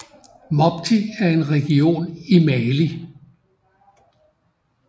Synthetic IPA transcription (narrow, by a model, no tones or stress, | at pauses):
mɒb̥t͡sʰiæɐe̝nʁɛɡ̥io̝̰ːnimɛːli